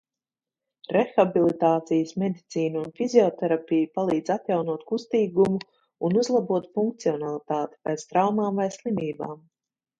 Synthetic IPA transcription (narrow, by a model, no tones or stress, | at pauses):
ɾɛxabilˠit̪aːt̪sijəsmɛd̪it̪siːnuunfizʲiɔt̪ɛɾapijupalˠiːd̪zat̪jawnuɔt̪kust̪iːɡumu | unuzlˠabuɔt̪fuŋk̚t̪siɔnalˠit̪aːt̪i̥pɛːt̪st̪ɾawmaːmvajslˠimiːba̰ːm